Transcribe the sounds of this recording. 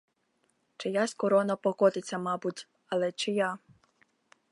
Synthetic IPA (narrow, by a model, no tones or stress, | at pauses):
t͡ʃɪjasʲkɔɾɔnɐpɔkɔt̪ɪt͡sʲːɐmɑbutʲ | ɐlˠɛt͡ʃɪja